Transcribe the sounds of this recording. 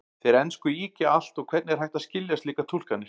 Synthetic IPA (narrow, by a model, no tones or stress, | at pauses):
θeɾɛnskʏiːcaal̥t̪ɔɣkʰvɛɾt̪nɪɛɾhajht̪aðscɪlːjast̪liːkat̪ʰul̥kanːɪ